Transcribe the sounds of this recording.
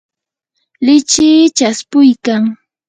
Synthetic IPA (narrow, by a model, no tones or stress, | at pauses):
lɪt͡ʃɪːt͡ʃaspʊjkaŋ